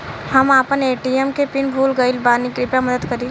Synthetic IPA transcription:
hɐmaːpəneːʈiemkepɪnbʱuːlɡəɪlbaːnikɾɪpʈamɐd̪əd̪kɐɾi

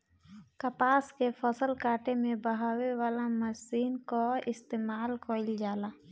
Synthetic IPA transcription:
kəpaːskepʰəsəlkaːʈemẽbəɦaːwewaːlaməsiːnkoɪst̪eːmaːlkʰoɪld͡ʒaːla

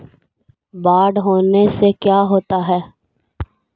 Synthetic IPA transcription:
baːɖɦoːnesekjaːɦoːt̪aɦɛː

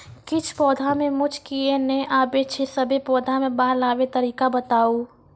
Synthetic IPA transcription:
kɪt͡ʃʰpɔːd̪ʱamẽmʊd͡ʒʰʱkieneʔaːbet͡ʃʰesəbʱepɔːd̪ʱamẽbaːɦlaːʋet̪əɾiːkabət̪aːo

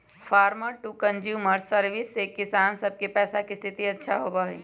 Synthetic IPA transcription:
fʰaːɾməɾʈuːkə̃nd͡ʒjuːməɾsəɾʋɪsːekɪsaːnsɐb̚kepɛːsakist̪ʰɪt̪iɐtːʃʰaɦoːbaɦḭː

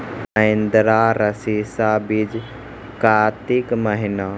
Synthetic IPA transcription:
ə̃ɪnd̪ɾaɾəsiːsabid͡ʒ | kaːt̪ikməɦɪna

